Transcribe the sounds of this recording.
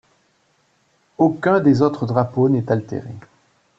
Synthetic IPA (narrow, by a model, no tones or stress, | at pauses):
okʲɛ̃d̪ezot̪χəd̪ʁaponɛt̪alt̪ḛʁḛ